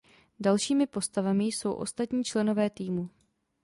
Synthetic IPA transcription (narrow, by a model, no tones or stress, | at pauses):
dalʃiːmɪpo̞st̪avamɪjso̞wʔo̞̰st̪at̪ɲiːt͡ʃlɛno̞vɛːt̪iːmu